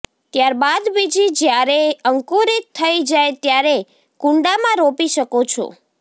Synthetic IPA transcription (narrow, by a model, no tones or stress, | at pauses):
t̪jaɾbad̪bid͡ʒid͡ʒjaɾeəŋkuɾit̪ʰːəid͡ʒajt̪jaɾe | kuɳɖamãɾopiʃəkot͡ʃʰo̰